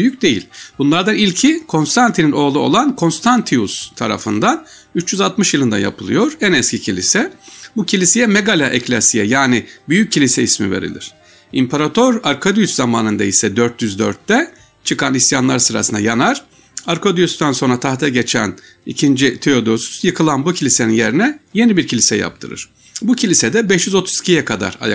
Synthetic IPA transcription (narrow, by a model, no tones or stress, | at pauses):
byjyc̚ʲd̪e̞jḭlʲb̥unlˠaɾd̪anilʲcʰikʰo̞nst̪ʰant̪ʰinino̞ːlˠuo̞̰lˠankʰo̞nst̪ʰant̪ʰiust̪ʰaɾa̰fɯnd̪an | yt͡ʃːjyzat̪mɯʃjɯlˠɯnd̪a̰nja̰pʰɯlˠɯ̰jo̞ɾænɛscʰicʰilʲisɛbucʰilʲisejɛmeɡalʲaʔɛclʲasijɛjaːnɪbyjycʰːilʲisɛismive̞̰ɾḭlʲḭɾ̥ | impʰaɾat̪ʰøɾaɾkʰad̪yjyszamaːnɯnd̪aisɛd̪øɾt̪ʰjyzd̪ø̰ɾt̪ːɛ | t͡ʃʰɯkʰanisjanlˠaɾsɯɾa̰sɯnd̪a̰janaɾ̥ | aɾkʰod̪yjysd̪anso̞nɾat̪ʰaxt̪ʰɛɟet͡ʃʰæn | ḭcʰind͡ʒit̪ʰeo̞d̪o̞sy̥sjɯkʰɯlˠanbucʰilʲise̞ninje̞ɾinɛje̞nibiɾcʰilʲisɛja̰p̚t̪ʰɯ̰ɾɯ̰ɾ̥ | bucʰilʲisɛd̪ɛbɛʃjyzo̞t̪ʰu̥zicʰijɛkʰad̪a̰ɾa̰ja